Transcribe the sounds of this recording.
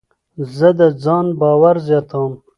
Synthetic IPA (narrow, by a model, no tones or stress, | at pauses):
zəd̪əd͡zɑːnbɑːwaɾzjɑːt̪ʰawm